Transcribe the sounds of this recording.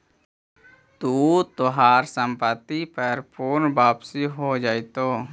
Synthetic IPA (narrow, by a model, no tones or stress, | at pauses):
t̪uːt̪oɦaːɾsəmpət̪ipəɾpʰuːnbaːpsiɦod͡ʒaːit̪oː